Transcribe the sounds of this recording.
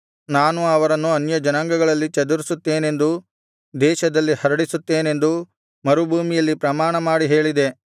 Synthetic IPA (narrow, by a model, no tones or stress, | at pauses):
naːnuɐʋɐɾɐnːuɐnjɐd͡ʒɐnɐŋɡɐɡɐɭɐlːit͡ʃɐd̪uɾisut̪ːe̞ːne̞nd̪u | d̪ɛːʃɐd̪ɐlːihɐɾɐɽisut̪ːe̞ːne̞nd̪u | mɐɾubʱuːmijɐlːipɾɐmaːɳɐmaːɽiɦe̞ːɭid̪e̞